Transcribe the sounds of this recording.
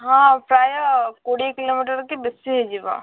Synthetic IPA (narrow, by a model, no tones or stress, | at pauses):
ɦãːpɾaːjəkoːɽikɪloːmiːʈəɾkebɪseɦɛd͡ʒeʋã̰